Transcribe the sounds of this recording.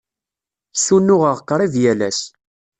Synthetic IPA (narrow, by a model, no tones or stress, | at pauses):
sunːʊʁəʁəqːɾˤiðjælæs